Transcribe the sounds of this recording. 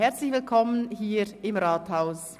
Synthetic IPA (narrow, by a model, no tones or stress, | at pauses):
hɛɐt͡slɪçv̥ɪlkʰɔmənhiːɪmʁaːthaʊs